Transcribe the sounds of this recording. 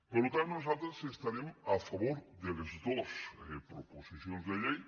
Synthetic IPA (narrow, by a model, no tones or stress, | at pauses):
polot̪annosat̪ɾasest̪aɾemafaβoɾðelest̪osepɾoposiθjonzðeʎej